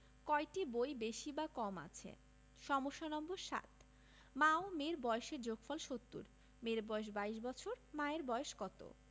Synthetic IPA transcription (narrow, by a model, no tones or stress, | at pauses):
kɔjʈibojbeʃibakɔma̰t͡ɕʰḛ | ʃɔmoʃːanɔmboɾʃa̰t̪ʰ | maomeɾbɔeʃeɾd͡ʑoɡfɔlʃot̪ːṵɾ | meɾbɔeʃ̬baiʃbɔt͡ɕʰoɾmaeɾbɔeʃkɔt̪o̰